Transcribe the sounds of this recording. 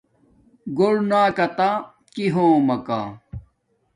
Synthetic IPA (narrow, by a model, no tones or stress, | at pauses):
ɡoɽnaːkɐt̪a | kiɦõːmɐka̰ː